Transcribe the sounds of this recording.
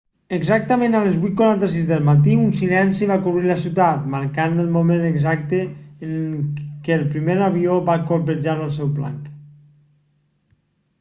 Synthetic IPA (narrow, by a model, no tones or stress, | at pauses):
əɡzak̚t̪əmẽnalezβujt̪̚kuɾant̪asizðəlˠmat̪iunsilɛnsiβakuβɾiləsiwt̪at̪maɾkanəlˠmomẽnəɡzak̚t̪eːŋkeːlˠpɾimeɾaβioβakolpəd͡ʒaɾəlˠs̬ɛwpla̰ŋk